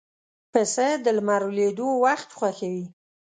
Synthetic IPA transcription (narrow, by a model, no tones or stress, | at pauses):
pasad̪əlmaɾuled̪owaxt̪xwaxawi